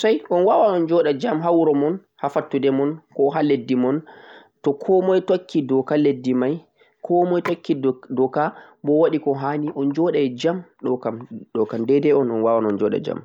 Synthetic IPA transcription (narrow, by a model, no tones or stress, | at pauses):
sajʔɔnwawanɔnd͡ʒɔɗad͡ʒamɦawɾɔmɔn | hafatːudɛmɔnkɔɦaledːimɔn | tɔkʰɔmɔjtokːidɔkaledːimaj | kʰɔmɔjtokʰːidɔka | bɔwaɗikɔɦaːniʔɔnd͡ʒɔɗad͡ʒamɗɔkamɗɔkamdɛdɛɔnɔnwawanɔnd͡ʒɔɗa̰d͡ʒa̰m